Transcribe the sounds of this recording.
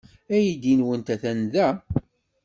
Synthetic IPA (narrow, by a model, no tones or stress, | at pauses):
æjid̪inwənt̪æθænðæ